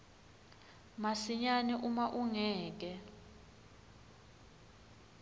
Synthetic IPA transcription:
masiɲaniʔumaʔuŋɛːk̬ɛ

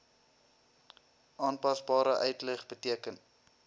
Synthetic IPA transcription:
ʔɑːnpɐsbɑːɾəʔœɥtləχbətiəkən

